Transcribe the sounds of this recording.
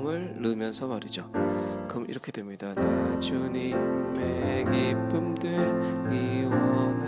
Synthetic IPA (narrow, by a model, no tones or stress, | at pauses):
ŋɯɭːɯmjʌnsʰʌmaɾid͡ʑokʌmḭɾʌkʰe̞dwe̞mɲidanat͡ɕunimmeɡipʰɯmdɯiwʌn